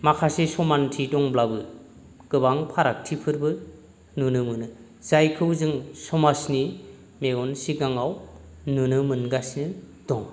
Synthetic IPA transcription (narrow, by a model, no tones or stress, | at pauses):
makʰasisɔmantʰidɔŋblabɯ | ɡ̥ɯbaŋpʰaɾak̚tʰipʰɯɾbɯ | nunɯmɯnɯ | z̥ajkʰɯwzɯŋsɔmasni | meɡɔnsiɡaŋaw | nunɯmɯnɡasnɯ | dɔŋ